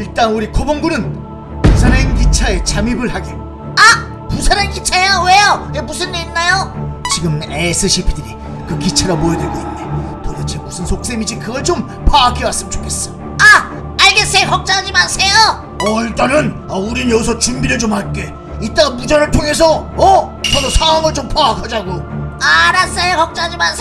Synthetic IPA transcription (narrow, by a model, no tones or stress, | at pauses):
iɭt͈anuɾikʰoboŋɡunɯn | pus̬ʰanenkit͡ɕʰaet͡ɕamibɯɭhaɡi | a | pusʰaɾankit͡ɕʰajawejoemusʰɯndeinːajot͡ɕiɡɯmesʰɯɕʰipʰidɯɾi | kɯkit͡ɕʰaɾamojʌdweɭɡoinːetoɾʌt͡ɕʰemusʰɯnsʰok̚s͈e̞mid͡ʑikɯɡʌɭt͡ɕom | pʰaːkʰiwas͈ɯmt͡ɕ͈o̥pkʰe̞s͈ʌj | a | aɭɡe̞s͈ejokʌk̚t͡ɕ͈aɦad͡ʑimasʰe̞jo | ʌiɭt͈anɯn | auɾinjʌs̬ʰʌt͡ɕumbiɾɯɭt͡ɕomhaɭk͈e̞ | it͈aɡamud͡ʑanɯɭtʰoŋe̞s̬ʰʌʌt͡ɕʌdosʰaaŋɯɭt͡ɕompʰaːkʰad͡ʑaɡoaɾas͈ʌjokʌk̚t͡ɕ͈aad͡ʑimas